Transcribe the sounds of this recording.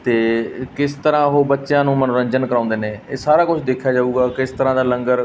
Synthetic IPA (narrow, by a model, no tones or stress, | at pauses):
t̪eːkɪst̪əɾãːɦoːbətːʃjãːnũːmənoːɾə̃ɲd͡ʒənkəɾãːnd̪eːneːeːsaːɾaːkʊt͡ʃʰd̪eːkʰjaːd͡ʒaːuːɡaːkɪst̪əɾãːd̪aːlə̃ŋɡəɾ